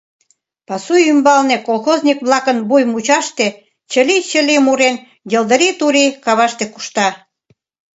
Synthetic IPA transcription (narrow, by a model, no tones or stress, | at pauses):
pɑsujymbɑlnekolxozʲnʲikβlɑkənbujmut͡ɕɑʃt̪e | t͡ɕə̆lit͡ɕəlʲimuɾen | jəld̪əɾit̪uɾikɑβɑʃt̪eku̥ʃt̪ɑ